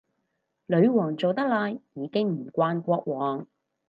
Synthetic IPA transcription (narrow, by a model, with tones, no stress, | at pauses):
lɵ˨˧ɥwɔː˨˩ŋt͡so˨wt̪ɐ˥k̚laː˧jjiː˨˧kɪ˥ŋm̩˨˩kʷaː˧nkʷɔː˧k̚wɔː˨˩ŋ